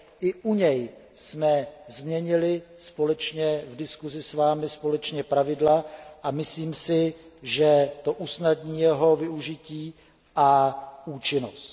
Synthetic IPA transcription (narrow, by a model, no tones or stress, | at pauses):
ʔɪʔuɲɛjsmɛzmɲɛɲɪlɪspo̞lɛt͡ʃɲɛvdɪskuzɪsvaːmɪspo̞lɛt͡ʃɲɛpɾavɪdlaʔamɪsliːmsɪʒɛt̪o̞ʔusnadɲiːjɛɦo̞vɪuʒɪciː | ʔaʔuːt͡ʃɪnost̪